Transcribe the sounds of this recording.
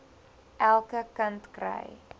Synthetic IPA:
ʔælˠkəkəntkrə̰j

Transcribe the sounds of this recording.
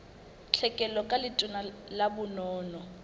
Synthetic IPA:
t͡ɬʰɛkʼɛlɔkʼalɪtʼʊnalabʊnɔːnɔ

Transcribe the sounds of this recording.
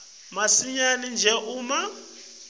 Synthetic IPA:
masiɲanind͡ʒʱɛʔuːma

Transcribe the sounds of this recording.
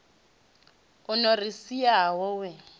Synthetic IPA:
ʊnɔrisiawɔwɛ

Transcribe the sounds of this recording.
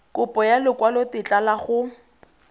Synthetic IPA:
kʊpʼɔjalɪkwalɔtɪt͡ɬʼalaχʊ

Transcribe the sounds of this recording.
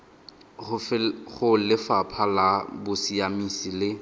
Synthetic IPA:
ʊχʊlɪfapʰalabʊsiamisilɪ

